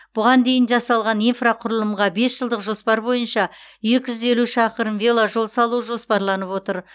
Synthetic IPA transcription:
b̥ʊʁɑnd̪e̞jɪnʒɑsɑlˠʁɑnijnfraqʰʊɾəlˠəmʁɑbe̞sʒəlˠd̪əqʒo̞spɑɾbo̞jənʃɑʒekʲʒʏze̞luʃɑqəɾənvʲelˠaʒo̞lˠsɑlˠuʒo̞spɑɾlˠɑnəpwo̞t̪əɾ

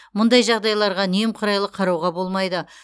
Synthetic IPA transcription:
mʊnd̪ɑjʒɑʁd̪ɑjlˠɑɾʁɑnijɪmqʰʊɾɑjlˠəqʰːɑɾɑwʁɑbo̞lˠmɑjd̪ə

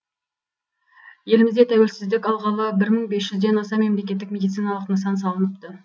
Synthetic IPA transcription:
je̞lɪmɪzd̪e̞t̪ʰæwe̞lsɪzd̪ɪkʲɑlˠʁɑlˠəbɪɾməɴbe̞sʒʏzd̪e̞nɑsɑme̞mle̞kʲe̞t̪̬ːɪkme̞d̪ijt̪sijnɑlˠəqnəsɑns̬ɑlˠənəpt̪ə

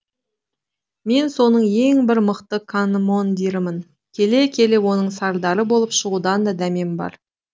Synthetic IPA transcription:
me̞nso̞nəɴje̞ŋbɪɾməqt̪əkʰanmo̞nd̪iɾɪmən | kʲʰe̞le̞kʲʰe̞le̞wo̞nəɴsɑɾd̪ɑɾəbo̞lˠəpʃəʁud̪ɑnd̪ɑd̪æme̞mbɑ̰ɾ

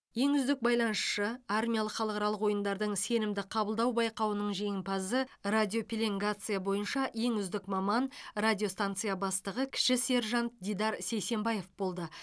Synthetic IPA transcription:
je̞ŋʏzd̪ɪk̚bɑjlˠɑnəsʃəarmʲijalˠəqχɑlˠəqɑɾɑlˠəqwo̞jənd̪ɑɾd̪əɴse̞nɪmd̪ɪqʰɑbəlˠd̪ɑwbɑjqɑwənəɴʒe̞jɪmpɑzəradʲio̞pʲilʲeŋɡat̪sɨjabo̞jənʃɑje̞ŋʏzd̪ɪkmɑmɑnradʲijo̞st̪ant̪sɨjabɑst̪əʁəkʲʰɪ̥ʃɪse̞ɾʒɑnt̪d̪ijd̪ɑɾse̞jse̞mbaje̞fbo̞lˠd̪ə

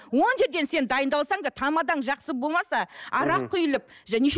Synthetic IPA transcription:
wo̞nʒe̞ɾd̪e̞nse̞nd̪ɑjənd̪ɑlˠsɑŋd̪ɑt̪ʰɑmɑd̪ɑɴʒɑqsəbo̞lˠmɑsɑɑɾɑqqʰːʊjɪlˠəp̚ʒæneʃ

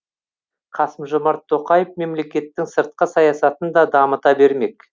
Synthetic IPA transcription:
qʰɑsəmʒomɑɾt̪ʰːo̞qɑjəfme̞mle̞kʲe̞t̪ːɪŋsəɾt̪̚qəsɑjɑsɑt̪ənd̪ɑd̪ɑmət̪ɑbe̞ɾme̞k

